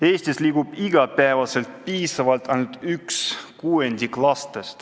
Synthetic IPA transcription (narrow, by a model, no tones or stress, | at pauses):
eːsʲt̪isliːɡub̥iɡ̥ɑpæːvɑse̞lt̪̚piːsɑvɑlt̪ɑjnut̪ykskuːenʲd̪ʲiklɑst̪est̪